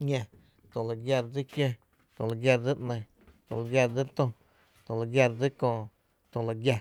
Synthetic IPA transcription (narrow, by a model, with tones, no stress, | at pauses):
ɲẽ˧ | t̪õ˨la˨ɡja˧ɾd͡zi˦kjẽ˦ | t̪õ˧˨la˨ɡʲja˧ɾd͡zi˦ʔnə̃˧j | t̪õ˧˨la˨ɡʲja˧ɾd͡zi˦ɾt̪õ˧ | t̪õ˨la˨ɡja˧ɾd͡zi˦kõː˧˨ | t̪õ˧˨la˨ɡja˧